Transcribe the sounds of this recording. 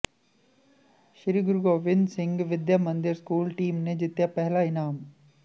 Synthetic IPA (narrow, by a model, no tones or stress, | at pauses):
ʃɪɾiːɡʊɾɡoːʋɪnsɪ̃ŋɡʋɪd̪jamɐ̃nd̪ɪɾskuːlʈiːmned͡ʒɪt̪japɛɦlaɪnaːm